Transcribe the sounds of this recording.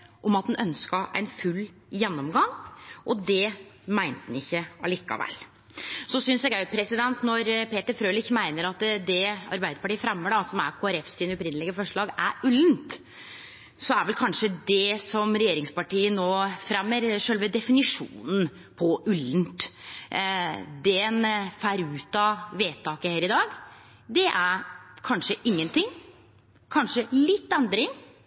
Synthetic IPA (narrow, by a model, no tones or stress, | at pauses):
ʔɔmɑt̪̚d̪nʔœnskɑʔæ̰ɪnfʉlː | jɛnːɔmɡɑŋʔɔd̪ɛmæɪnt̪n̩ɪçːəɑliːkːɑ̰ʋæ̰l | sɔsʏnsɛːɡæpʰɾɛsɪd̪ɛnt̪nɔɾpeːt̪əɾfɾøːlɪçmæɪnəɾɑt̪d̪ɛɑ̰ɾbæɪd̪əɾpɑʈiːəfɾɛmːəɖɑsɔmæɾkʰoːæɾɛfsɪːnɔpɾɪnəlɪɡəfɔʂɭɑːɡæɾʉlnt̪ | sɔæɾʋɛlkʰɑnʂəd̪ɛsɔmɾɛjeːɾɪŋspɑʈiːənoːfɾɛmːəɾʂøːlʋəd̪ɛfɪnɪʂṵːnn̩ | pʰɔʔʉlːnt̪ | d̪ɛnfæːɾʉːt̪ɑʋeːt̪ʰɑːkəheːɾɪd̪ɑːɡ | d̪ɛʔæɾkʰɑnʂəʔɪŋːənt̪ʰɪŋː | kʰɑnʂəlɪt̪ːɛnd̪ɾɪŋ